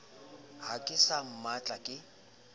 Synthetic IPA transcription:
hakʼɪsam̩mat͡ɬʼakʼɪ

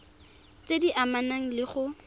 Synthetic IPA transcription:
t͡sʼediʔamanaŋ̩lɪχʊ

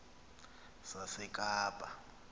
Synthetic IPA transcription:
sasɛkʼaːpʼa

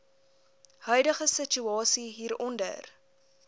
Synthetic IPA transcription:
hœɥdəχəsət͡ʃuɑːsiɦiːɾɔndə̰r

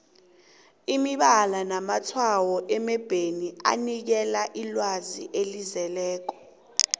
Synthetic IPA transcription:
imiɓalanamatʰwawɔʔɛmɛb̥ʱenia̰nik̬ɛlaʔilwazḭʔelizɛlɛːk̬ɔ̥

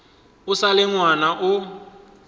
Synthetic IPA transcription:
ʊsalɪŋwanaʔʊ

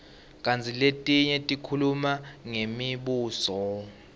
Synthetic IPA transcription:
kʼant͡sʰiletʼiɲɛtʼikʰulumaŋemiɓuːsɔ

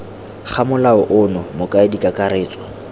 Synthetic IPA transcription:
χʰamʊlaʊʔʊnɔmʊkʼaɪdikʼakʼaɾeːt͡sʼɔ̥

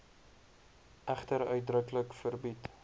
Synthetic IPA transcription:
ʔæχtəɾœɥt̚drəkləkfərbit

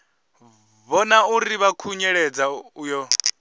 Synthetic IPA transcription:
βɔnauɾiβakʰuɲɛɺɛd͡zaujɔ

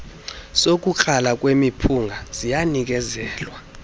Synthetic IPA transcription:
sok̬ʼuǃʰalak̬ʼwemipʰuŋɡʱaz̥ijanik̬ʼɛzɛːlwa

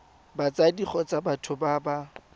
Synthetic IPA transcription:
bat͡sadiχɔt͡sʼabatʰʊbaba

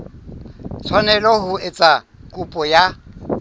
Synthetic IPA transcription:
t͡sʰwanɛlɔhʊet͡sʼa | kʼupʼɔja

